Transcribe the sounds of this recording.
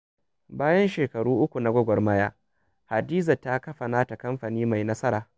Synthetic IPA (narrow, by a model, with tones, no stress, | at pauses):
baː˦jɐ˦nʃeː˨kɐ˨ɽuː˦ʔʊ˦kʷu˨na˨ɡʷɔ˦ɡʷɔ˨rmɐ˦jaː˦ | ha˨diː˦za˨tːa˦kɐ˦ɸa˨naː˦ta˨kɐ˦mɸa˨niː˦ma˨jnɐ˦sɐ˦ɾaː˨